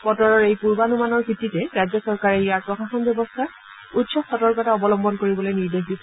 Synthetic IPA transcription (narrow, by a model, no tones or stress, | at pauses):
pɔtɔɹɔɹejpuɹbanumanɔɹbʱitːitɛɹajd͡ʑɔsɔɹkaɹɛijaɹpɹɔxaxɔnbjɔbɔstʰa | utsɔkxɔtɔɹkɔtaɔbɔlɔmbɔnkoɹibɔlojniɹdexdisɔ